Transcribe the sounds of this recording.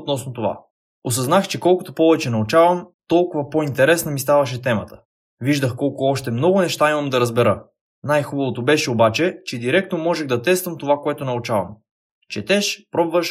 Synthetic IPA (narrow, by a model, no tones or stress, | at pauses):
ot̪nɔsnot̪ova̰ | os̬ɐznaxt͡ʃɛkɔlˠkʊt̪opɔvɛt͡ʃɛnɐut͡ʃavəmt̪ɔlˠkʊvɐpoint̪ɛɾɛsnɐmist̪avɐʃ̬ɛt̪ɛmət̪ə̥ | viʒd̪əxkɔlˠkʊɔʃt̪ɛmnɔɡʊnɛʃt̪aimɐmd̪ɐɾɐzbɛɾɤ | najxubɐvot̪obɛʃɛobat͡ʃɛt͡ʃɛd̪iɾɛk̚t̪nomɔʒɛɣd̪ɐt̪ɛst̪vəmt̪ovakoɛt̪onɐut͡ʃavɐ̰m | t͡ʃɛt̪ɛʃpɾɔbvəʃ